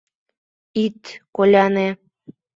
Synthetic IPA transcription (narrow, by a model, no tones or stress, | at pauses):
it̪kolʲɑne